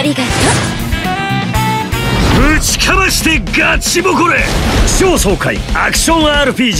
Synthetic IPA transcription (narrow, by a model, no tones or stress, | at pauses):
ɾiɡaa | mɯt͡ɕi̥kʰamaɕi̥t̪eɡat͡ɕːimokoɾeɕoːsoːkaḭa̰kɯ̥ɕõ̞ŋaːɾɯpiː